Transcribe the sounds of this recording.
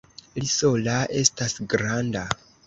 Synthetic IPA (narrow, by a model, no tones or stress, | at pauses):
liso̞laʔe̞stasɡɾanda